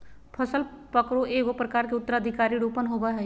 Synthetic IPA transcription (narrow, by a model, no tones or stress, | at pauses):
pʰəsəlpəkɾoʔeːɡopɾəkaːɾkeʊt̪ːəɾaəd̪ʱɪkaːɾiɽoːpənɦoːbaɦɛ